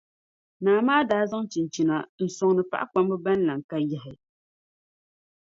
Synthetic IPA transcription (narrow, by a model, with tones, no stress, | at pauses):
naː˨maː˦daː˦za˦ŋt͡ʃi˨nt͡ʃi˨na̰˨n̩˨sʊ˨ŋnɨ˨pa˦ʔa˦k͡pa˦mbɨ˦ba˦n˦la˨ŋ˨ka˦jɛ˦ɦɪ˨